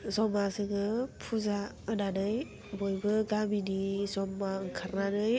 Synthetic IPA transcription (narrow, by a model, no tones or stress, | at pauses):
zɔmasɯŋɯpʰuza | ɯnanɯj | bɔjbɯɡaminizɔmːaŋkʰaɾnanɯj